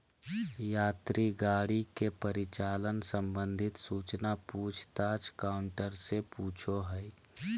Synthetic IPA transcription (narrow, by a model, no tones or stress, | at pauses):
jaːt̪ɾiɡaːɽikepəɾɪt͡ʃaːlənsə̃mbə̃nd̪ʱɪt̪suːt͡ʃnapuːt͡ʃʰt̪aːd͡ʒkaːʊɳʈəɾsepuːt͡ʃʰoɦɛj